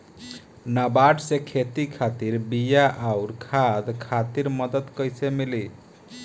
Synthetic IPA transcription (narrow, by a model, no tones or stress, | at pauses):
nabaʈsekʰet̪ikʰat̪iɾbijaʔawɾkʰad̪kʰat̪iɾmʌd̪ət̪kʌjsemili